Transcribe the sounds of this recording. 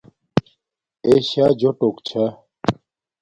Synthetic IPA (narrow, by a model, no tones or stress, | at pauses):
eːɕaːd͡ʑoʈokt͡ɕʰa